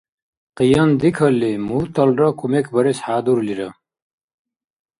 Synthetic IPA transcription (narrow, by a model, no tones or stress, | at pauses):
qijɐnd̪ikʰɐlːimut̪ʰɐlrɐkʰumekʰbɐɾesħaːd̪uɾliɾɐ